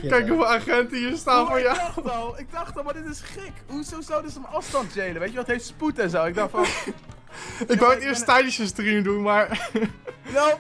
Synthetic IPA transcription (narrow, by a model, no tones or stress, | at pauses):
kɛjkəvaχɛntiəstavoɹjawlˠɪɡ̚dɑχtɔlˠmadɪtɪsχɛkɦuzowzowdɪsəməɑfstɑntdejləʋejtjɛɔtɦejftsputɛnzowɪɡ̚dɑχt | ɪkʋɪlətɪəɹstətɛjniʃəstrimdunmaːɹ | no